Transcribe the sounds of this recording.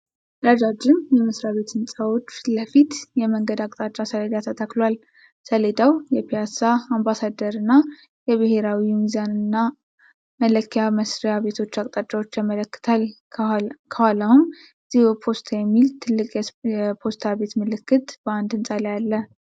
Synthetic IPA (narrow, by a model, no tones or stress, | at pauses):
ɾad͡ʒad͡ʒːɪmjɛmɨsɾaβe̞t̪ɨnsʼawo̞t͡ʃːləfit̪jɛməŋɡəd̪akʼt̪ʼat͡ʃʼːasəled̪at̪ʰət̪ʰaklwal | səled̪awjɛpʰijasaːmbasad̪əɾɨnːa | jɛβɨɦe̞ɾawimizanɨnːa | mələkʰːjaməsɾijaβe̞t̪ʰo̞t͡ʃːakʼt̪ʼat͡ʃʼːawo̞t͡ʃːjamələkːɨ̥t̪ʰal | kʰəhaləhum | z̥ihbpʰo̞st̪ʰajɛmːilt̪ʰɨlːɨkʼjɛjɛpʰo̞st̪ʰaβe̞t̪mɨlɨkːɨt̪b̥əand̪ɨnsʼaləjalːə